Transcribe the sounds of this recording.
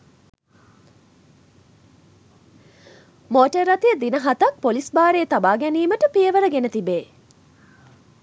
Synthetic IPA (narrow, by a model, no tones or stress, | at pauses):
moːʈərːɐt̪ijəd̪inəɦɐt̪ɐk̚polisbaːɾeːt̪abaːɡæniːməʈəpijəʋəɾəɡenət̪ibeː